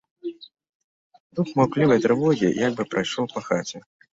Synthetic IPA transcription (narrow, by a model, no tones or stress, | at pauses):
d̪uxmaklʲivɐjt̪ɾɨvɔɣʲḭjaɡ̚bɨpɾajʂlɔwpɐxat͡sʲɛ